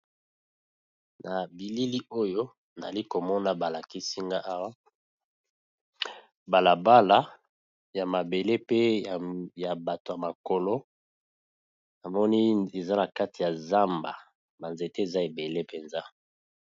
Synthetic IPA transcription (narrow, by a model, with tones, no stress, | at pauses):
na˨bi˨li˦li˦ʔo˦jo˦ | na˨a˨li˦ko˨mɔ˦na˨ba˨la˨ki˦si˦ŋɡa˦ʔa˦wa˦ | ba˨la˨ba˦la˦ | ja˨ma˨be˨le˦pe˦˨ | ja˨ba˨to˨ja˨ma˨ko˨lo˦ | na˨mɔ˦ni˦e˨za˦na˨ka˦ti˨ja˨za˦mba˨ | ba˨nze˨te˦e˨za˦e˨be˨le˦pe˨nza˦